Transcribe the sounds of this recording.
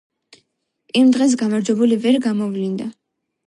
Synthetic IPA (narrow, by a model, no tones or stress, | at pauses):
imd̪ʁɛs̬ɡamaɾd͡ʒwɛbulivɛɾɡamɔvlind̪a